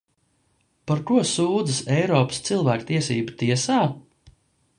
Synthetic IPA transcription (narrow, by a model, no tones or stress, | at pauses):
paɾkuɔsuːd̪zəsɛjɾɔːpə̥st̪silˠvæːkt̪iɛsiːbut̪iɛsaː